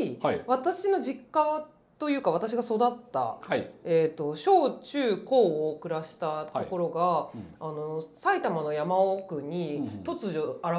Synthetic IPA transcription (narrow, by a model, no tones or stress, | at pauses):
βat̪aɕino̞d͡ʑikːa | t̪o̞jɯ̟ːkaβat̪aɕ̬iɡaso̞d̪at̪ːa̰ae̞t̪ːo̞ɕo̞ːt͡ɕɨːko̞ːokɯ̟ɾaɕi̥t̪at̪o̞ko̞ɾo̞ɡaːno̞sait̪amano̞jamaokɯ̟ɲ̟it̪o̞t͡sɨʑoaɾa